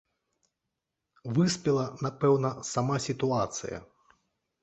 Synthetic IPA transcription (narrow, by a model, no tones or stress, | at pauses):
vɨsʲpʲɛlˠɐnapɛwnɐsamasʲit̪uat̪sɨ̰jɐ̰